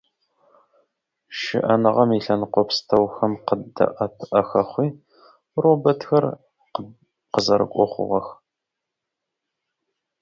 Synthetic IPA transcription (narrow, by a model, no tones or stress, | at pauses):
ʃɪ̰ʔɐnɨʁɐmiɬɐnqʷɔpstʰɐwxɐmqədɐ̰ʔɐpʰʔɐxɐχʷiː | robɐtxɐr | q | qəzɐɾɨ̰kʷʼɔχʷʊ̰ʁɐx